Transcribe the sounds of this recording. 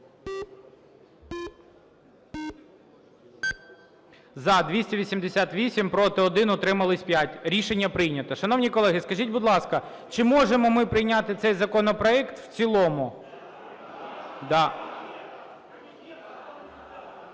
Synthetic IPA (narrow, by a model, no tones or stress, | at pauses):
zɐd̪ʋʲisʲtʲiʋʲisʲimd̪esʲat̪ʋʲisʲimpɾɔt̪ɪɔd̪ɪnɔt̪ɾɪmɐlˠɪsʲpʲjatʲɾʲiʃenʲːɐpɾɪjnʲɐt̪ɐʃɐn̪ɔwnʲikɔlˠɛɦɪskɐʒʲitʲbʊd̪lˠɑskɐ | t͡ʃɪmɔʒemɔmɪpɾɪjnʲat̪ɪt̪sɛjzɐkɔnɔpɾɔɛkt̪w̥t͡sʲilˠɔmʊ | d̪ɑ